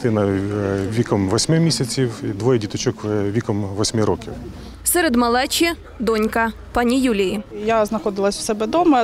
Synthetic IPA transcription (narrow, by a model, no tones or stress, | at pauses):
t̪ɪnɐʋʲikɔmʋɔsʲmɪmʲisʲɐt͡sʲiwd̪ʋɔjɛdʲit̪ɔt͡ʃɔkʋʲikɔmʋɔsʲmɪɾɔkʲiw | sɛɾed̪mɐlˠɛt͡ʃʲi | d̪ɔnʲkɐ | pɑnʲijulʲijijaznɐxɔd̪ɪlˠɐsʲwsɛbɛd̪ɔmɐ